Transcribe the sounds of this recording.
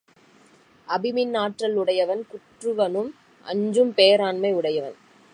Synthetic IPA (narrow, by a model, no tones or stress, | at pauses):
ʔɐbɪmɪnːaːʈrɐlʊɽɐjɐʋɐnkʊʈrɯʋɐnɯm | ʔɐ̰ɲd͡ʒɯmpeːɾaːnmɐɪʊɽɐjɐʋɐn